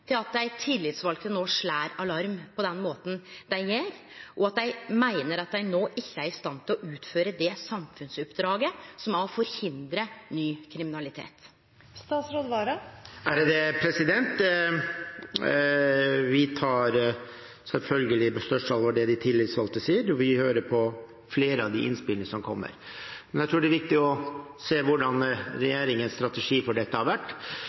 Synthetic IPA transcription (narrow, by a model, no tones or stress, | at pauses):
t̪ʰɪlɑt̪̚d̪æɪt̪ʰɪlːɪt̪sʋɑlkt̪ənoːʂɭæːɾɑlɑɾmpʰɔd̪ɛnmoːt̪n̩d̪æɪjeɾ | ʔɔɑt̪̚d̪æɪmæɪnəɾɑt̪̚d̪æɪnoːʔɪçːəæɾɪst̪ɑnt̪ʰɪlɔʔʉːt̪føːɾəd̪ɛsɑmfʉnsʉpːd̪ɾɑːɡəsɔmɑɔfɔɾhɪnd̪ɾənyːkʰɾɪmɪnɑlɪt̪ʰḛːt̪ | st̪ɑːt̪sɾoːd̪ʋɑːɾɑæɾd̪ɛpʰɾɛsɪd̪ɛnt̪ | ʋɪt̪ʰɑːɾ | sɛlfœlɡəlɪbɛst̪œʂɑlʋɔɖɛd̪ɪt̪ʰɪlːɪt̪sʋɑlt̪əsiːəɾɔʋɪhøːɾəɾpʰɔ | fleːɾəɑʋd̪ɪʔɪ̰nspɪlnɪəsɔmkʰɔmːə̰ɾmɛnjæt̪ʰɾuːɖɛæɾʋɪk̚t̪ɪɔseːʋʊɖɑnɾɛjeːɾɪŋənst̪ɾɑt̪ɛʂiːfɔɖɛt̪ːəhɑɾʋæʈː